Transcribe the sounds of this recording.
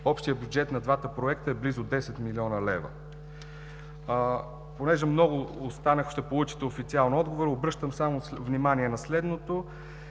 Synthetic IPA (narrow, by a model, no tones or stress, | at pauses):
ɔpʃt̪ijəbʲjud͡ʒɛt̪nɐd̪vat̪əpɾoɛkt̪əɛblizʊd̪ɛsɛt̪miliɔnəlɛvə̰ | ponɛʒɛmnɔɡʊost̪anəxʃt̪ɛpolˠut͡ʃi̥t̪ɛofit̪sialˠnɔd̪ɡovoɾobɾɤʃt̪əmsamovnimaniɛnɐslɛd̪not̪o